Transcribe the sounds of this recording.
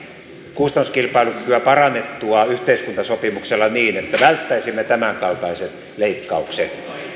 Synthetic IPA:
kust̪ɑnːuskilpɑilukykyæpɑrɑnːet̪ːuɑyht̪eiskunt̪ɑsopimukselːɑniːnet̪ːæʋælt̪ːæisimːet̪æmæŋkɑlt̪ɑiset̪ | leikːɑuksḛt̪

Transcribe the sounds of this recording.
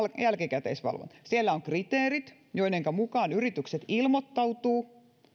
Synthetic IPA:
jælkikæt̪ḛisʋɑ̰lʋo̰nt̪sielːæoŋkrit̪eːrit̪ | joineŋkæmukɑːnyrit̪ykset̪ilmot̪ːɑwt̪uː

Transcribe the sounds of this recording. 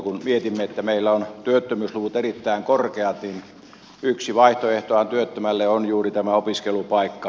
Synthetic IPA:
kunmiet̪imːeet̪ːæmeilːæont̪yøt̪ːømysluʋut̪erit̪ːæiŋkorkeɑt̪nin | yksiʋɑiht̪oeht̪oɑnt̪yøt̪ːømælːeonjuːrit̪æmæopiskelupɑikːɑ

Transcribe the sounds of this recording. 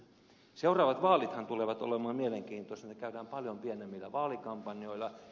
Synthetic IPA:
seurɑːʋɑt̪ʋɑːlit̪hɑnt̪uleʋɑt̪o̰lemɑːmieleŋkiːnt̪osnnːekæydæːmpɑljompienemːilːæʋɑːlikɑmpɑnjoilɑ

